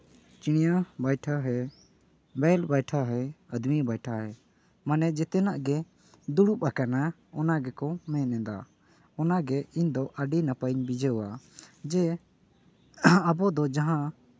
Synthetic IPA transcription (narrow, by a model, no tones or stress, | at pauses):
t͡ʃiɽ̃ijabajʈʰaɦɛ | bɛlbajʈʰaɦɛəd̪mibajʈʰaɦɛ | manɛd͡ʒɛt̪ɛnaʔɡɛ | d̪uɽup̚akana | ɔnaɡɛkɔmɛ̃nɛ̃d̪a̰ | ɔnaɡɛiɲd̪ɔʔəɖinapəɲbid͡ʒɛɔad͡ʒɛ | əbɔd̪ɔd͡ʒaɦã